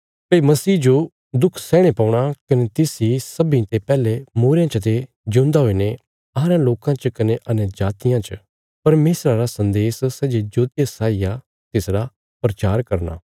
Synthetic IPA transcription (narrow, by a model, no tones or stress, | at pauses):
pɐimɐsiːd͡ʒo | d̪ʊkʰsɛːɽ̃epaːʊɽ̃akɐnet̪ɪsisɐbĩt̪epɛːlemoːɾjãt͡ʃət̪e | d͡ʒõːnd̪aɦoine | aːɾãloːkãt͡ʃkɐneʔɐnjəd͡ʒaːt̪ɪjãt͡ʃ | pɐɾmeːsɾaɾasɐ̃nd̪eːssɛd͡ʒed͡ʒoːt̪jasaːija | t̪ɪsɾa | pɾɐt͡ʃaːɾkɐɾna̰ː